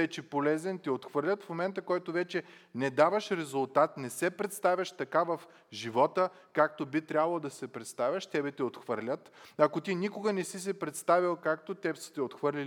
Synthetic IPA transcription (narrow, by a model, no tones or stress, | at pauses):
ɛt͡ʃɛpolɛzɛnt̪ɛot̪xvɤɾlʲət̪fmomɛnt̪əkɔjt̪ovɛt͡ʃɛ | nɛd̪avɐʃɾɛzʊlˠt̪at̪nɛsɛpɾɛt̪st̪avʲɐʃt̪ɐkavɐf | ʒivɔt̪ə | kak̚t̪obit̪ɾʲabɐlˠod̪ɐsɛpɾɛt̪st̪avʲɐʃt̪ɛbɛt̪iot̪xvɤɾlʲət̪ɐkot̪inikʊɡənɛsis̬ɛpɾɛt̪st̪avʲilˠkak̚t̪ot̪ɛbsə̥t̪ɛot̪xvɤɾlʲil